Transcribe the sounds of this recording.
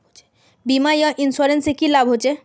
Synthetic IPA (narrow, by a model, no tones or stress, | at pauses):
bimajɔʔinsɔɾensekilabʱɦot͡ɕʰe